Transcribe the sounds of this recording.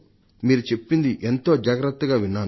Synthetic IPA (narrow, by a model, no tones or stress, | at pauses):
miːɾut͡ʃe̞pːind̪iʔent̪o̞ːd͡ʒaːɡɾɐt̪ːɐɡaːʋinːaː